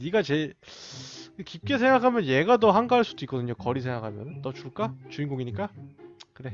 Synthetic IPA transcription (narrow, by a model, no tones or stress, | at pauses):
niɡat͡ɕe̞ | kip̚k͈e̞sʰe̞ŋɡakʰamjʌnjeɡatʌɦaŋɡaɦaɭs͈udoik͈ʌdɯɲokʌɾisʰe̞ŋɡakʰamjʌnt͈ʌt͡ɕuɭk͈at͡ɕuinɡoɡiɲik͈akɯɾe̞